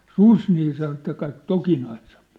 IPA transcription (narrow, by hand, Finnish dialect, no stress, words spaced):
sus niː sɑno ĕt kɑik tokinɑise̥m̥p